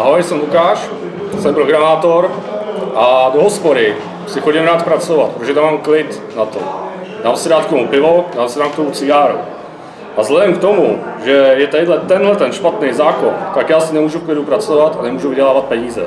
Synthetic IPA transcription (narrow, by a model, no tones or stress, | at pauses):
aɦojsɛmlukaːʃ | sɛmpɾoɡɾamaːt̪oɾʔadoɦospoɾɪ | sɪxoɟɪmɾaːt̪̚pɾat͡sovat̪pɾotoʒɛt̪amːaːmklɪt̪ | nat̪o̰daːmsɛdaːt̪kt̪omupɪvodaːmsɛdaːmkt̪omut͡sɪɡaːɾṵ | ʔazlɛdɛmkt̪o̞muʒɛjɛt̪ɛjdlɛt̪ɛnɦlɛt̪ɛnʃpat̪nɛjzaːkont̪akjaːsɪnɛmuːʒufklɪdupɾat͡sovat̪anɛmuːʒuvɪɟɛlaːvat̪̚pɛɲiːzɛ̰